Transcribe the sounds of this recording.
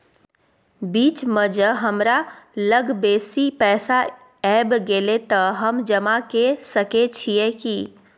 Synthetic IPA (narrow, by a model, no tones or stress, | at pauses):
biːt͡ʃməd͡ʒəɦəmɾaləɡbeːsipɛːsa | ɛːbɡeːlet̪əɦəmd͡ʒəmakesəket͡ʃʰijeki